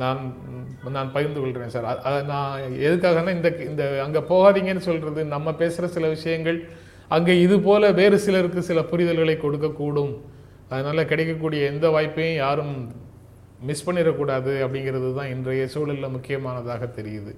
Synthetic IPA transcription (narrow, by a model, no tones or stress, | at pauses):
naːn | naːnpɐjɐɾnd̪ɯkɔɭɾeːnsaːɾɐɐnaːɛðɯk̬ːaːɣɐnːãːɪnd̪ɐɪnd̪ɐɐŋɡeːpoːɣaːðiŋɡɐnːɯsɔlɾɐðɯnɐmːɐpeːsɯɾɐsɪlɐʋɪʂɐjɐŋɡɐɭ | ɐŋɡeːɪðɯpoːlɐʋeːɾɯsɪlɐɾɯkːɯsɪlɐpʊɾɪðɐlɣɐɭɐɪkːɔɽɯkːɐkːuːɽɯm | ɐðɯnaːlɐkɪɽɛɪkːɐk̬ːuːɽɪjɐɛnd̪ɐʋaːjpːɐjʊ̃jaːɾɯm | mɪspɐɳːɪɾɐkːuːɽaːðɯɐpːɐɽɪŋɡɪɾɐðɯt̪ãːɪndrɐjɐsuːlɪlːɐmʊkːɪjɐmaːnɐðaːɣɐt̪ɛɾɪjɐðɯ